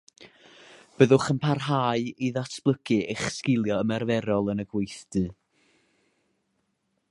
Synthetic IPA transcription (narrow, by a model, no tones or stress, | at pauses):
b̥əðʊχəmpʰarɦaːɨiðatʰb̥lˠəkʰɨeχskɪlˠjɔəmɛrvɛɾɔlˠənəɡwejθd̥ɨ